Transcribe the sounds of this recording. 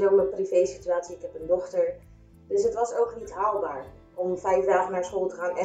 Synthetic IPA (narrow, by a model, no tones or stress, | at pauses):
nowməprivejsityaːtsiɪkɦɛpəndɔχtəɹ | d̥ɵsɦətʋɑsowknitɦaːlˠbaːɹ | ɔmvɛjvdaːχənaːɹsχolˠtəχaːnɛ